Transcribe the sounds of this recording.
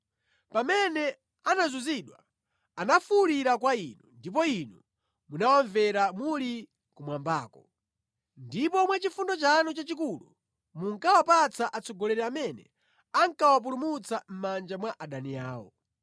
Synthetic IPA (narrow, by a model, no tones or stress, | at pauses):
pamɛnɛ | anazuziɗwa | anafuliɾakwainundip̬ɔinu | munawaɱvɛɾamuli | kumwambaːkɔ | ndipɔmwɛt͡ʃifundɔt͡ʃanɔt͡ʃat͡ʃik̬ulṵ | muŋkawapat͡saʔat͡sɔɡɔlɛɾɛamɛnɛ̰ | aŋkawap̬ulumut͡sam̩mand͡ʒamwaʔaɗaniaːwɔ̰